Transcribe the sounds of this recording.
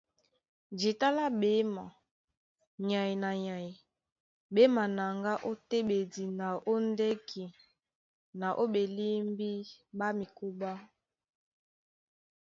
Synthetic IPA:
d͡ʒi˨ta˦la˦ɓe˦ma˨ | ɲa˨i˨na˨ɲa˨i˨ | be˦ma˨na˨ŋɡa˦ʔo˦te˦ɓe˨di˨na˨ʔo˦nde˦kʰi˨ | na˨ʔo˦be˨li˦mbi˦ba˦mi˨ku˦ba˦

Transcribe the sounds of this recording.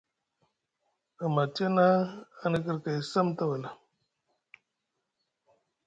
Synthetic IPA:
ə˨ma˨te˦na˦a˦nə˦˨kə˦ɾka˨i˨sə˦mt̪a˦wə˨la˨

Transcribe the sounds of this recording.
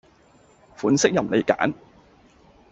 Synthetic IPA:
fuː˨˥nsɪ˥k̚jɐ˨mle˨˧jka̰ː˨˥n

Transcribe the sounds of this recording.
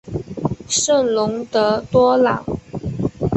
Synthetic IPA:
ʂə˥˩nlʊ˧˥ŋt̪ɤ˧˥t̪wɔ˥lɑ̰˨˩˦ŋ

